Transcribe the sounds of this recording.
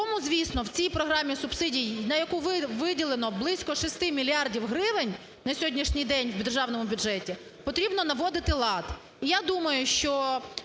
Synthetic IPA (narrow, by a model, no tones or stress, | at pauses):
kɔmʊzʲʋʲisnɔwt͡sʲijpɾɔɦɾɑmʲːisʊb̥sɪdʲijnɐjɐkuʋɪʋɪdʲilˠenɔblˠɪsʲkɔʃist̪ɪmʲilʲiɑrdʲiwɦɾɪʋɪnʲ | nɐsʲɔdʲnʲiʃnʲijd̪ɛnʲwbʲd̪erʒɑwnɔmʊbʲʊd͡ʒʒɛtʲi | pɔt̪ɾʲibnɔnɐʋɔd̪ɪt̪ɪlˠɑt̪ | ijad̪umɐjʊʃt͡ʃɔ